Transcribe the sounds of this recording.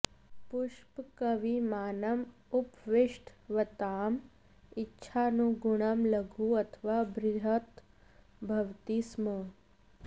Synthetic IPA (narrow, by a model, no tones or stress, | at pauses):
pʊʃpkɐʋimaːnɐm | ʊpʋɪʃʈʰʋɐt̪aːm | ɪtːʃʰanũɡʊɽ̃ɐmlɐɡʱuɐt̪ʰʋaːbɾɪɐt̪ | bʱɐʋt̪ismə